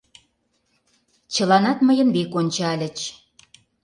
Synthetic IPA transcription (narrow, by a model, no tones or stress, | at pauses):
t͡ɕə̆lɑnɑt̪məjə̆nβekonʲt͡ɕɑælʲə̆t͡ɕ